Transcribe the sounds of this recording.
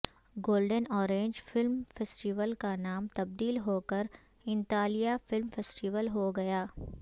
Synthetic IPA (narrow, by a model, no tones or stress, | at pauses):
ɡoːlɖənɔːɾẽːɲd͡ʒfɪlmfeːsʈɪʋəlkanaːmt̪ɐb̚d̪iːlɦoːkəɾ | ɪ̃nt̪aːlijafɪlmfeːsʈɪʋəlɦoɡɐjaː